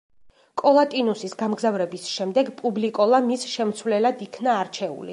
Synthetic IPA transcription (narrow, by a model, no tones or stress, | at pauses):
kʼɔlˠat̪ʼinusisɡamɡzavɾɛbisʃɛmd̪ɛɡpʼublikʼɔlˠamisʃɛmt̪sʰwlɛlad̪ikʰnaːɾt͡ʃʰɛṵlḭ